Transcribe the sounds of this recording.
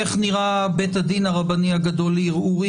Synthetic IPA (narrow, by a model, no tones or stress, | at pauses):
eχniʁabetad̪inaʁabaniaɡado̞liʁuʁi